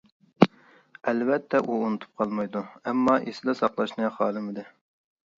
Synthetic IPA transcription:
ɛlvɛt̪ʰːɛʔuunut̪ʰu̥p̚qʰɑlˠmɑjd̪uɛmːɑʔesɪd̪ɛsɑqlˠɑʃnɨχɑːlˠɨmɪd̪ɨ

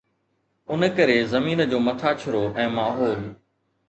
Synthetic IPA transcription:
ʊnkəɾeːzɐmiːnəd͡ʑoːmɐʈʰaːt͡ɕʰʊɾoːʔɛ̃ːmaːɦoːl

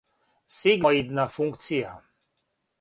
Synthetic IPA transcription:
seɡid̪nafuŋktt͡sia

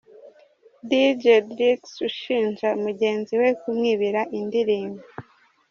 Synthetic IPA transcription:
did͡ʒedɾiksuʃiːnʒaumuɟe̞ːnziwe̞kumŋiːβiɾaʔindiɾiːmɡo

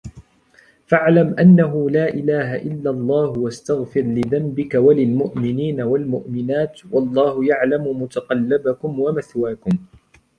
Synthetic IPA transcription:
faʕlamʔanːaɦʊlaːʔɪlaːɦaʔɪlːalˤːɑːhwast̪aɣfɪɾlɪðambɪkawalɪlmʊʔmɪniːnawalmʊʔmɪnaːt̪wɑlˤːɑːhʊjaʕlamʊmʊt̪aqɑlːɪbakʊmwamaθwaːkʊm

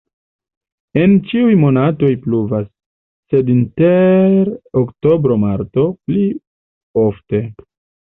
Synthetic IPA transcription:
e̞nt͡ʃiujmo̞nato̞jpluvasː | e̞dinte̞ɾokto̞bɾo̞maɾto̞pli | ofte̞

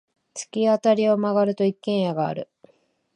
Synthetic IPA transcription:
t͡sɨ̥kʲiat̪aɾʲio̞maɡaɾɯ̟t̪o̞ikːẽ̞ɰ̃jaɡa̰ːɾɯ̟̰

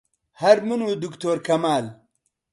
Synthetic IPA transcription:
hɐɾmɨnud̪ukt̪oːɾkʰɐmaːl

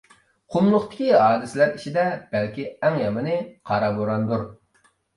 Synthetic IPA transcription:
qʰʊmlˠʊχt̪ɪ̥kʲiɦɑːd̪ɪsɪlæɾit͡ʃʰid̪ɛb̥ɛlkʲiɛŋjɑmɨnɨqʰɑɾɑboɾɑnd̪uɾ

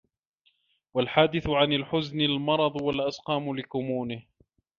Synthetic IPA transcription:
walħaːd̪ɪθʊʕanalħʊznalmɑɾˤɑd̪ˤwalʔasqɑːmʊlɪkʊmuːnɪh

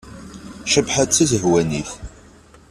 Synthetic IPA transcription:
ʃəbħət͡sːəzəɦwæniθ

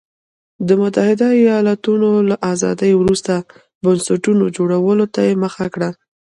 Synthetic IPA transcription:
d̪əmʊt̪ahɪd̪aijɑlat̪unolaʔazɑ̰d̪əjwɾust̪a | bansaʈunod͡ʒoɽawəlot̪ajeməxakɽa

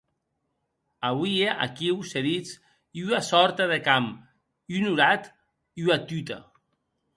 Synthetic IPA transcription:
aβuieʔa̰kiwseðit͡s | iuasɔɾt̪aðekam | unuɾat̪ | iuat̪yt̪a̰

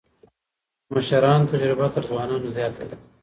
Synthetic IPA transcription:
maʃaɾɑːnt̪ad͡ʒɾɪbat̪əɾzwɑːnɑːnozjɑːt̪ʰad̪a

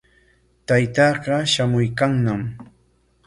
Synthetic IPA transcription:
t̪ajt̪ɑːɢɑʃamʊjkaŋnam

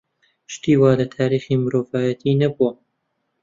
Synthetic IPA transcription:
ʃt̪iːwaːlɐt̪ʰaːɾiːxiːmɨɾoːvaːjɐt̪ʰiːnɐbuɐ

